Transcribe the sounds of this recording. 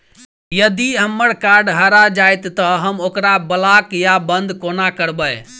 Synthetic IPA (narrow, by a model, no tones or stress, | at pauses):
jəd̪iɦəmːəɾkaɾɖɦəɾad͡ʒajt̪ːəɦəmokɾabəlakjabənd̪konakəɾbəj